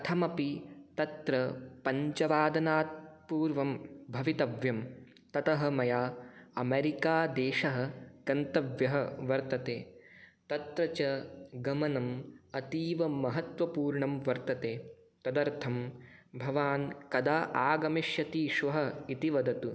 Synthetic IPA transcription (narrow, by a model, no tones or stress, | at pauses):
ɐt̪ʰɐmɐpit̪ɐt̪ɾɐpɐɲt͡ʃɐʋaːd̪ɐnaːt̪̚puːɾʋɐmbʱɐʋit̪ɐʋjɐm | t̪ɐt̪ɐɦɐ̆mɐjaːɐmeːɾikaːd̪eːʃɐɦɐ̆ɡ̥ɐnt̪ɐʋjɐɦɐʋɐɾt̪ɐt̪eːt̪ɐt̪ɾɐt͡ʃɐɡɐmɐnɐmɐt̪iːʋɐmɐɦɐt̪ʋɐpuːɾɳɐmʋɐɾt̪ɐt̪eː | t̪ɐd̪ɐɾt̪ʰɐmbʱɐʋaːnkɐd̪aːʔaːɡɐmiʃjɐt̪iːʃʋɐɦɐit̪iʋɐd̪ɐt̪u